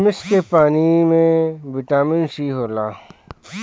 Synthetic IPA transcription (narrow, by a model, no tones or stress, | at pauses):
mɪskepaːnimẽʋɪʈaːmɪnsiːɦoːlaː